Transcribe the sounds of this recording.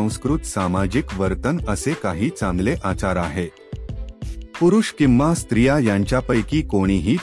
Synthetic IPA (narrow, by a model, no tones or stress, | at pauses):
ə̃w̃skɾut̪samad͡ʑikʋəɾt̪ənəsekaɦiːt͡sãŋɡleʔat͡ɕaɾaɦe | puɾuʂkimʋast̪ɾijajãɲt͡ɕjapəjkiːkoɽ̃iɦiː